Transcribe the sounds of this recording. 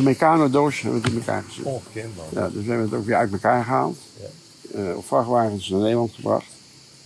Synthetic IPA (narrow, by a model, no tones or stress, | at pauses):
əmekaːnodoːʃhɛbʋəətɪnməka̰ːɹχəzɪ̰ja̰døsɛbəʋəətoːkʋɪːɹœ̰ɥtməkaːɹχəɦa̰ːlˠt | ɔ̰pfrɑχʋaːɣənsnanejdlˠɑntχəbrɑ̰χt